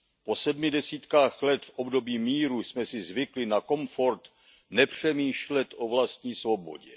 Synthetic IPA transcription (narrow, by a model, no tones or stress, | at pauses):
po̞sɛdmɪdɛsiːt̪kaːxlɛt̪fʔobdo̞biːmiːɾusmɛsɪzvɪklɪnako̞mfo̞ɾt̪ | nɛpr̝̥ɛmiːʃlɛt̪ʔo̞vlast̪ɲiːsvo̞bo̞̰ɟɛ̰